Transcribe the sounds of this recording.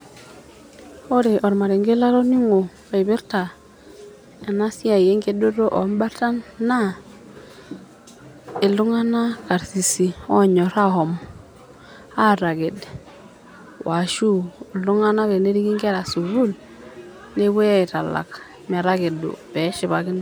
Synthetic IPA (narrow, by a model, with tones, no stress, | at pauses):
o˦ɾe˨ʔɔ˨ɾma˨ɾe˨ŋɡe˦la˦ɾo˦ni˦ŋo˨ | i˨βi˦ɾta˨ | e˨na˦si˦a˨je˦ŋɡe˦do˦ɾo˦ʔo˨˦mba˦ɾta˦nːa˦ | e˨lu˦ŋa˦na˦ka˨ɾsi˨si˨ɔ˦ɲɔ˨ɾa˦hɔ˨m | a˦˨ɾa˨ɡe˨d | wa˨ʃu˦˨lu˦ŋa˦na˦βe˨ne˦ɾi˦ɡi˦ŋɡe˦ɾa˨su˨βu˦l | ne˦βu˦e˦i˨ta˨la̰˨k | ma˨ɾa˦ɡe˨dṵ˨pɛ˨˦ʃɪ˨βa˨ɡɪ˦n˦